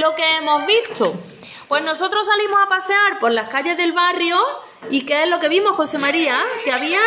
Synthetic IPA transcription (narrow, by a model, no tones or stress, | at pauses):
lo̞ke̞emo̞ɦβit̪o | pwe̞ɦno̞so̞t̪ɾo̞s̬alimo̞sapaseaɾpo̞ɾlahkaʎe̞ɦðe̞lβarjo | ikeeɦlo̞ke̞βimo̞hxo̞se̞maɾiakeaβia